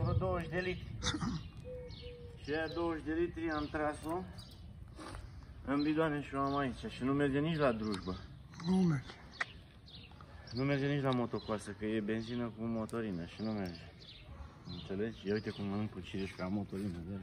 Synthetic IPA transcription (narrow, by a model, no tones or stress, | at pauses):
əd̪owəʃd̪elit̪ɾi | ʃiajad̪owəʃd̪elit̪ɾiamt̪ɾaso | ɨmbid̪oameʃioamait͡ʃaʃinumerd͡ʒenit͡ʃlad̪ɾuʒbə | numerd͡ʒe̥ | nume̞rd͡ʒenit͡ʃlamo̞t̪o̞koasəkəje̞be̞nzinəkumo̞t̪o̞ɾinəʃinumerd͡ʒe | ɨnt̪se̞le̞d͡ʒeujt̪ekumənɨmput͡ʃiɾeʃkamot̪oɾinəd̪a